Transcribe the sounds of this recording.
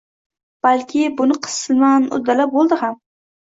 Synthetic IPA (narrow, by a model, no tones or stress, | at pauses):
b̥alkʲʰɪbʊnɪqʰɨ̥sɪlmanʊ̰d̪ːalap̚bolˠd̪ɪham